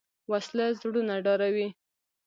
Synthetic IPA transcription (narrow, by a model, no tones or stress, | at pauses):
waslazɽunaɖɑɾawi